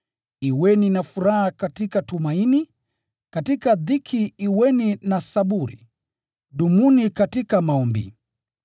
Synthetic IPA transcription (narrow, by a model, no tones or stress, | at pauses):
iwɛninafuɾahakatikatumaini | katikaðikʰiːwɛninasaɓuɾḭ | ɗumunikatikamaɔmbḭ